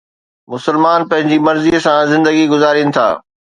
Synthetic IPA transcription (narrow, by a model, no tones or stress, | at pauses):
mʊsəlmaːnpɐ̃ɦɪ̃ɲd͡ʑimɐɾzisãzɪ̃nd̪əɡiɡʊzaːɾinɪ̆t̪ʰa̰ː